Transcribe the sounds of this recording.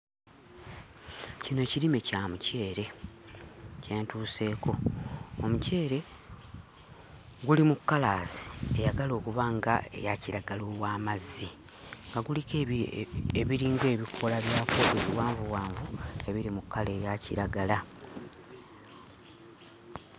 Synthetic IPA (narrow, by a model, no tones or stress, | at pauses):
cino̞ciɾime̞caːmuce̞ːɾe̞ | ce̞ːntuːse̞ːko̞ː | muce̞ːɾe̞ | ɡulimukːalaːzi̥ejaɡalo̞ːkuβaŋɡa̰ḛjaciɾaɡaloːwaːmazːi | ŋɡaɡulike | eβiɾiːŋɡe̞ːβikʰo̞laβjaːfoβeβiwaːɱvuwaːɱvue̞βiɾimukːale̞ːjacḭɾaɡala